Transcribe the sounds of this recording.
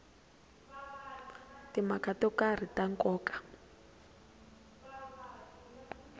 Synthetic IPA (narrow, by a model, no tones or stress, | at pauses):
timakatɔkar̤itaŋkɔːkḁ